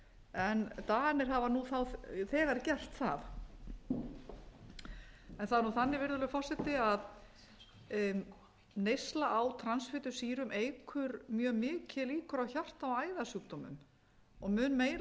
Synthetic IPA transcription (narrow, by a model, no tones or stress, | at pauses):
ɛnt̪aːnɪɾ̥ɦavanuθawθɛːɣaɾcɛl̥t̪θa̰θ | ɛnθaðaɾnuθanːɪvɪɾðʏlʏfɔr̥sɛt̪ɪað | nejslaʔawt̪ʰɾansfɪːt̪ʏ̥siːɾʏmʔejkʰʏɾmjœːmɪːcɪliːkʏɾawçar̥t̪awaːjðasʏːkt̪ɔmʏ̰m | ɔɣmʏːnmeːjl